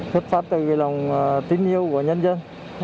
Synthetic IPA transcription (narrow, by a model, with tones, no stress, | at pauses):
sʰwə˦˥t̚faː˦˥p̚t̪ɨ˧˨˩la˨˩wŋ͡mt̪ï˧˦ŋʔi˧əwku˧˩əɲə˧nzə˧n